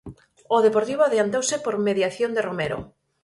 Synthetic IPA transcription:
oðepoɾt̪iβ̞oaðjant̪owsɪpoɾmeðjaθjond̪eromeɾo̰

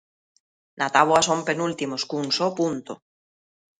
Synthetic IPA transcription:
nʔat̪aβwasompe̞nult̪imoskunsopunt̪o

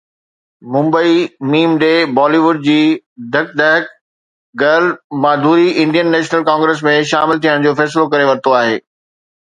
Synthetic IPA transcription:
mʊ̃mbəimiːmɖeːbaːliʋʊɖ̚d͡ʑiː | d̪ʱɐk̚d̪ɛːk̚ | ɡɐlmaːd̪ʱuːɾiʔɪ̃nd̪ijənːɛːʃnəlkãːŋɡɾeːs̬mẽʃaːmɪlt̪ʰijəɽ̃d͡ʑoːfɛːs̬ɪlokɐɾeʋɐɾt̪ʰoaːɦḛː

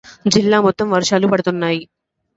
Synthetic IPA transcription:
d͡ʒilːaːmɔt̪ːɐmʋɐɾʂaːlupɐɽut̪unːaːji

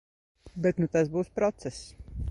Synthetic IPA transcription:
bɛt̪nut̪asbuːspɾɔt̪sɛs

